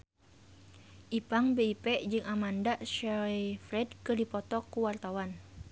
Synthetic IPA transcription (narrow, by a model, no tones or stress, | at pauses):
ʔipaŋbeipɛʔd͡ʒɨŋamandaʔʃafɾɛdkərdipɔt̪ɔkuwart̪awan